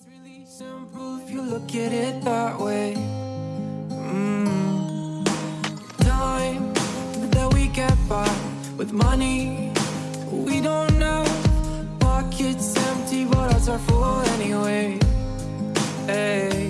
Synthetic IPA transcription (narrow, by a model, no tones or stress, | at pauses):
ɹɪlˠisɪ̃mpl̩ˠɪfjɨlʊkɨɾɪt̪̚ðəʔweɪ | m̩ | tʰãɪ̃m | ðɨt̚wiɡɛt̚b̥ʌ | wɨðmʌni | wiɾõʊ̃nːoʊ | pɑkʰɪtsɛ̃mp̚tiwʌɾʌzə˞fɔɛniweɪ | eɪ